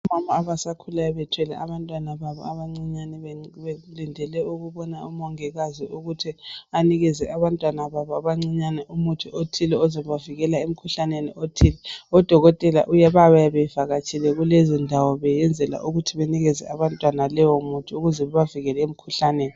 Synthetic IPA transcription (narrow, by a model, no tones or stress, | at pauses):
umamaaβasakʰulajɔβɛtʰwɛlɛ̰aβantʼwanaβaβɔ̰aβaŋ͡ǀiɲanɛβɛlindʱɛlɛuɣuβɔnaumɔŋɛɣaziuɣutʰianiɣɛzɛʔaβantʼwanaβaβɔaβaŋ͡ǀiɲanɛʔumutʰiotʰilɛɔzɛβaviɣɛlaem̩kʰuɬanenḭʔotʰiːlɛɔd̥ʱɔɣɔtʼɛla̰ʔujɛβaβajɛβɛfaɣat͡ʃʰʼilɛɣulezindʱawɔβɛjɛnd͡zʱɛla̰ʔuɣutʰiβeniɣɛzɛ̰ʔaβantʼwanalɛwɔmutʰiuɣuzɛβɛβaviɣɛlɛem̩kʰuɬaneːni